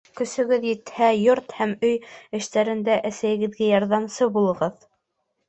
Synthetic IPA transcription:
kɵ̆sɵ̆ɡɵðjɘ̆t̪hæjoɾt̪hæmɵjɘ̆ʃt̪æɾɘ̆nd̪æʔæsæjɘ̆ɡɘ̆ðɡæjɑɾðɑmsɤbulˠɤ̆ʁɤð

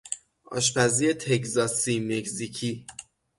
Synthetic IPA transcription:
ʔɒ̰ːʃpæziet̪ʰekzɒːsimeczicʰi

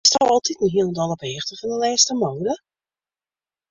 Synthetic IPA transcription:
strɔwɔlˠtʰitnəɦiəlˠəndɔlˠəpeːxtəfɔndəlɛːstəmoːdə

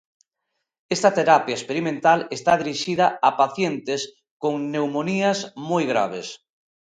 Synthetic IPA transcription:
est̪ɐt̪eɾapjaespeɾimẽnt̪alest̪aðiɾiʃiðaapaθjent̪es | koŋnewmoniɐzmojɣɾa̰β̞es

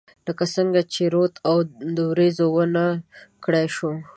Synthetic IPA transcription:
ləkasəŋɡat͡ʃeɾot̪ʰawd̪əɾezowənakɽajʃu

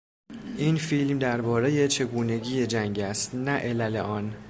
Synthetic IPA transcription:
ʔiːnfilmd̪æɾbɒːɾe̞je̞t͡ʃʰe̞ɡuːne̞ɟiːjed͡ʒæŋɟæst̪næʔe̞læleʔɒːn

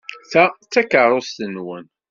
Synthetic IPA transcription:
θæt͡sːækəɾˤost̪ənwən

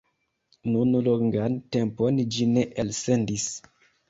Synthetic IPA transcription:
nunloŋɡantemponid͡ʒineʔelsendis

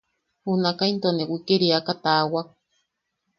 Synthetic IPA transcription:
hunakaint̪onewikeɾiakat̪awak

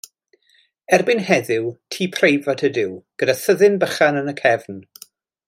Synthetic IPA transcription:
ɛrbɪnhɛðɪwtʰiːpʰrejvatʰədɪwɡ̥ədaθəðɪnbəχanənəkʰɛvn

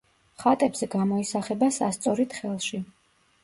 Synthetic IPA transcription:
χat̪ʼɛbz̥ɛɡamɔisaχɛbasast̪sʼɔɾit̪χɛlˠʃi

